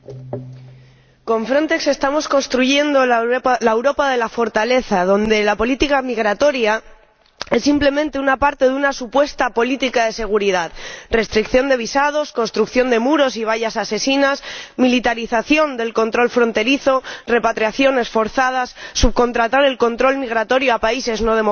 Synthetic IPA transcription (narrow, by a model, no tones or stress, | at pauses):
ko̞ɱfɾo̞nt̪e̞kse̞st̪amo̞sko̞nst̪ɾuʝe̞nd̪o̞laewɾo̞paðe̞lafo̞ɾt̪ale̞θaðo̞nd̪e̞lapo̞lit̪ikamiɣ̞ɾat̪o̞ɾja | e̞sːimple̞mẽ̞nt̪e̞unapaɾt̪e̞ðunasupwe̞st̪apo̞lit̪ikaðe̞se̞ɣ̞uɾiðaðre̞st̪ɾikθjo̞nd̪e̞β̞isað̞o̞sko̞nst̪ɾukθjo̞nd̪e̞muɾo̞siβ̞aʝasase̞sinasmilit̪aɾiθaθjo̞nd̪e̞lko̞nt̪ɾo̞lfɾo̞nt̪e̞ɾiθo̞re̞pat̪ɾjaθjo̞ne̞sfo̞ɾθað̞asːuβ̚ko̞nt̪ɾat̪aɾe̞lko̞nt̪ɾo̞lmiɣ̞ɾat̪o̞ɾjoapaise̞zno̞ðe̞mo